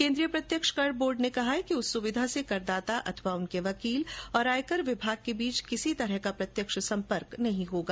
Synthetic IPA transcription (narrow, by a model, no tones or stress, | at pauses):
kẽːnd̪ɾijəpɾɐt̪jəkʃkɐɾɖ̚boːɾɖnekɐɦaɦɛkiʊsːʊʋɪd̪ʱasekɐɾd̪aːt̪aʔɐt̪ʰəʋaʊnkeʋɐkiːlɔːɾaːjkəɾʋɪbʱaːɡ̚kebiːt͡ʃkɪsit̪ɐɾəɦkapɾɐt̪jəkʃsɐ̃mpəɾknɐɦĩɦoːɡaː